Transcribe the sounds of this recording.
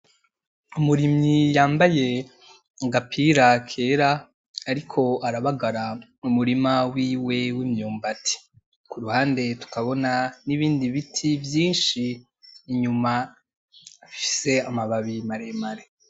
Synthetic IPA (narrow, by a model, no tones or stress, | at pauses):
umuɾimɲijaːmbaje̞ | ɡapʰiɾakʰe̞ɾaː | ɾikʰo̞aɾaβaɡaɾaumuɾimawiːwe̞wimɲuːmbatʰi̥ | kuɾuhaːnde̞tu̥kaβo̞naniβiːndiβitʰivjiːnʃiː | ɲuma | afi̥se̞amaβaβimaɾemaɾe